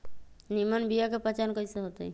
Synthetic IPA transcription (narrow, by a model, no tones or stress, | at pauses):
nimənbijakepət͡ʃankəiseɦot̪oi